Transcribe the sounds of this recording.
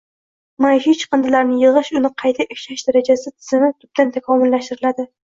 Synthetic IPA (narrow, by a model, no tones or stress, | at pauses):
manʃit͡ʃqɨnd̪ɪlaɾnɪjɨʁɨʃʊnɪqʰɑjt̪ʰaʔɪkʲʃaʃd̪aɾad͡ʒasɪt̪ʰɪ̥zɪmɪt̪ʰʊp̚t̪ant̪ʰakʰɒmʊlːaʃt̪ɪɾɪlad̪ɪ